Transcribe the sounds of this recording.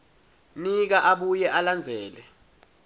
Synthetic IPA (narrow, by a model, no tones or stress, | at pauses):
nik̬aʔaɓujɛʔaland͡zʱɛːlɛ